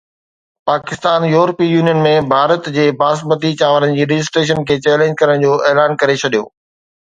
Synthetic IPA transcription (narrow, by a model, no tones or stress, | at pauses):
paːkɪst̪aːnjuːɾpijuːnijənmẽbʱaːɾət̪d͡ʑeːbaːsbət̪it͡ɕaːʋəɾənɪ̆d͡ʑiːɾɪd͡ʑɪs̬ʈɾeːʃ̬ənkʰeːt͡ɕɛːlẽːɲd͡ʑkɐɾəɽ̃d͡ʑoːʔeːlaːnkɐɾet͡ɕʰɐɗijo̰ː